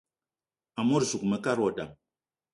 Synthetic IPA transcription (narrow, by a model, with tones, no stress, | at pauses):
a˨mo˦ɾsu˨k̚mɛ˨ka˦ɾɔ˨da̰˨m